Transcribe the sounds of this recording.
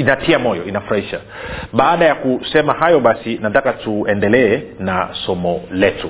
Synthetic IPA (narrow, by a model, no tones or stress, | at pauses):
inatʰiamɔjɔʔinafuɾahiʃa̰ | ɓaːɗajakusɛmahajɔɓasinatakatuɛndɛlɛɛnasɔmɔlɛtu